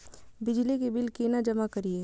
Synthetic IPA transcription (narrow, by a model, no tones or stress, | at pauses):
bɪd͡ʒlikibɪlkinad͡ʒɐmakɐɾie